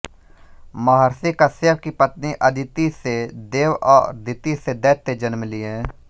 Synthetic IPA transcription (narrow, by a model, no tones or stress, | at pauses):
maɦəɾsikəsjəbkipət̪niʔəd̪ɪt̪ised̪eːʋɔ̰ːd̪ɪt̪ised̪ɛːt̪ːed͡ʒənmliɛ̃ː